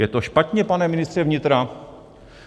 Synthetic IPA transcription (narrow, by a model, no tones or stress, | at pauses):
jɛt̪oʃpat̪ɲɛpanɛmɪnɪst̪r̥ɛvɲɪt̪ɾa